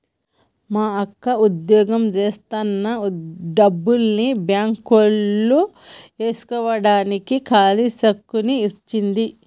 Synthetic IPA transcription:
maːɐkːɐud̪jɔːɡɐmd͡ʒeːst̪anːɐɖɐbːulnibjaːŋkolːu | e̞ːsu̥kɔʋɐɽaːnikikʰaːlisɐkːuniːt͡ʃːind̪i

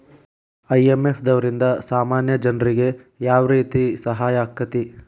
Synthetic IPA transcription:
ɐjemepʰd̪ɐʋɐɾind̪ɐsaːmaːnjɐd͡ʒɐnɾiɡe̞ | jaːʋɐɾiːt̪isɐɦaːjaːkːɐt̪i

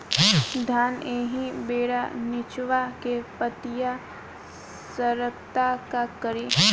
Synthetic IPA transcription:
d̪ʱaːneːɦĩbeːɽanɪt͡ʃʋakepət̪ɪja | səɾəkt̪akakəɾe

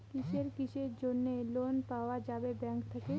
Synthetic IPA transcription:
kit͡ʃeɾkit͡ʃeɾd͡ʒonːelonpaːʋad͡ʒaːbebɛ̃ŋkt̪ʰəke

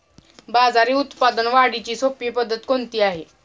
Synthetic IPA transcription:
bad͡zaɾiːut̪pad̪ənʋaɽit͡ɕiːsopjəpəd̪ːət̪kont̪iːaɦe

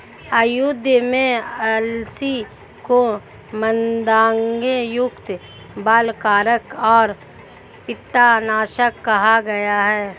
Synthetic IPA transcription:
əjʊd̪ʱjəmẽɛlsi | ko | mənd̪ãːŋɡejʊkt̪ | baːlkaːɾəkɔːɾ | pɪt̪ːanaːʃəkːɐɦaɡɐjaɦɛː

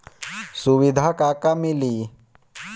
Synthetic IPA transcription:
suʋɪd̪ʱakaːkamɪli

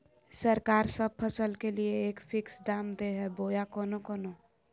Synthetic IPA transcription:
səɾkaːɾsəb̚pʰəsəlkelieːkfʰɪksɖaːmd̪eɦɛboːjakɔːnokɔːno

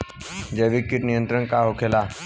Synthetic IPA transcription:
d͡ʒeʋikːɪʈnijə̃nt̪ɾənkaɦokʰela

